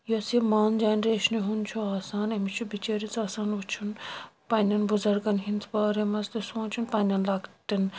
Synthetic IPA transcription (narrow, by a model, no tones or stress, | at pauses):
josimaːnd͡ʒaːnɾeːʃneɦunt͡ʃʰoaːsaːnɐmit͡ʃʰubit͡ʃeːɾit͡saːsaːnut͡ʃʰunpɐnʲɐnbʊzɐɾɡɐnɦint͡s̪ʰbaːɾemɐst̪esõːnt͡ʃʰunpɐnʲɐnlɐkt̪in